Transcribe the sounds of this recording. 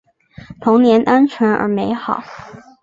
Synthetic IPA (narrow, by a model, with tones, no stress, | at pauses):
t̪ʰʊ˧˥ŋnjɛ˧˥nʔa˥nt͡ɕʰɥɛ˧˥nʔə̰˞˧˥me˧˥ɪxɑ˨˩˦ʊ